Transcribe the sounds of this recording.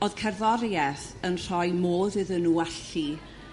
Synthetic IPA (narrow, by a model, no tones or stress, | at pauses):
oð̥kʰɛrðɔɾjɛθ | ənr̥ɔjmoːðɨðənuːaɬi